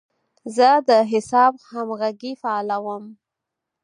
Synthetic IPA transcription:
zəd̪əɦɪsɑbhamɣaɡifaɑlawəm

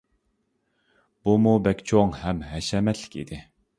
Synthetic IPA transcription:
b̥umubɛkʲt͡ʃʰoŋhɛmɦɛʃɛmɛt̪ʰlːɪ̥kʲḭd̪ɪ

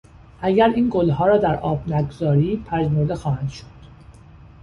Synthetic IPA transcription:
ʔæɟæɾiːnɡolɦɒːɾɒːd̪æɾʔɒːbnæɡozɒːɾiːpʰæʒmoɾd̪exɒːhænd̪̥ʃod̪̥

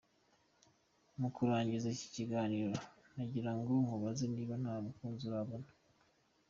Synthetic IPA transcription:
mukuɾaːɲɟizaci̥ciɡaːniːɾo | naɟiɾaŋɡoŋuβazeniːβan̥haːβukuːnzuɾaβonu̥

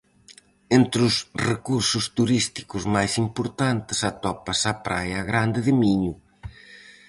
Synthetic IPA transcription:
ent̪ɾʊsrekuɾsʊst̪uɾist̪i̥kʊzmajsimpoɾt̪ant̪ɪ̥sat̪ɔpɐsapɾajːɣɾand̪ɪðɪmiɲʊ

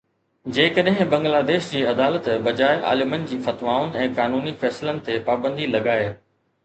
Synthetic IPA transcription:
d͡ʑeːkəɗɦɪ̃bɐ̃ŋɡlaːd̪eːʃd͡ʑiːɐd̪aːlət̪bɐd͡ʑaːɪʔa̰ːlɪmənɪ̆d͡ʑiːfɐt̪ʋaːʊnɪ̆ɛ̃ːkaːnuːnifɛːslənɪ̆t̪epaːbə̃nd̪ʱilɐɠaːe

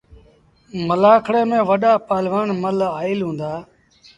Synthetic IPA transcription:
məlaːkʰɽeːmẽːʋəɗaːpaːlʋaːnməlaːɪlɦũːnd̪aː

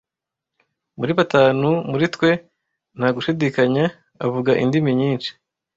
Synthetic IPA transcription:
muɾiβataːnumuɾitwe̞ | n̥haɡuʃidikaɲa | avuɡaʔḭndimiɲiːnt͡ʃi̥

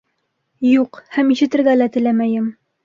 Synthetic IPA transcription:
juqhæmiʃɘ̆t̪ɘ̆ɾɡælæt̪ɘ̆læmæjɘm

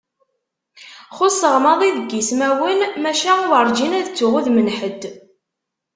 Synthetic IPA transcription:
χʊsəʁmɑðˤiðəɡːismæwənmæʃæuvəɾˤd͡ʒinæðt͡sːʊʁuðmənħəd̪

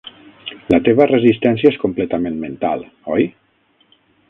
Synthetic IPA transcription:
lət̪eβərəzist̪ɛnsjaeskomplɛt̪əmẽnment̪a̰lˠ | ɔj

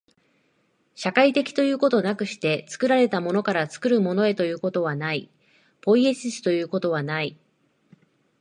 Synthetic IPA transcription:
ɕakait̪e̞kʲi̥t̪o̞jɯ̟ːko̞t̪o̞nakɯ̟ɕi̥t̪e̞t͡sɨ̥kɯ̟ɾaɾe̞t̪amo̞no̞kaɾat͡sɨ̥kɯ̟ɾɯ̟mo̞no̞e̞t̪o̞jɯ̟ːko̞t̪o̞β̞anai | po̞ie̞sɨsɨ̥t̪o̞jɯ̟ːko̞t̪o̞β̞anai

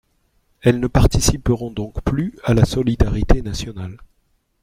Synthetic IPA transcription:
ɛlnəpaʁt̪isipəʁɔ̃d̪ɔ̃kplyalasɔlid̪aʁit̪enasjɔnal

